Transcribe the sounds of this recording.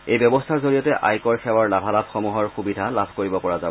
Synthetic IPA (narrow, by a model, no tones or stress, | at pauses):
ejbjɔbɔstʰaɹzoɹijɔtɛʔa̰jkɔɹxɛwaɹlabʱalabʱxɔmuɦɔɹxubidʱalabʱkoɹibɔpɔɹaza